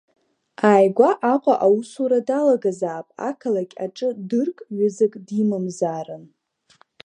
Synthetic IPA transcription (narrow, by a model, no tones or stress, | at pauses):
aːjɡʷaʔaqʷʼaʔawusuɾadalaɡazaːpʼa̰kʰalakʲʼaʈ͡ʂʼɨdɨrkʼɥʊzɨkʼdimɨmzaːrɨn